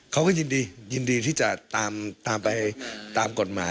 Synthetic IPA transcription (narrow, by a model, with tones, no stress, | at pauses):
kʰa˦˥wkɔː˥˩jɯ˧ndiː˧jɯ˧ndiː˧t̪ʰiː˥˩t͡ɕa˨˩ʔt̪aː˧mt̪aː˧mpa˧jt̪aː˧mko˨˩t̪̚maː˩˦